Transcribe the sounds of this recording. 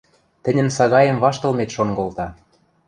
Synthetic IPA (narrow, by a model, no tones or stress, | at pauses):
t̪ɘ̆nʲɘ̆nsɑɣɑjə̆mβɑʃt̪ɤ̆lmet̪ʃonɡolt̪ɑ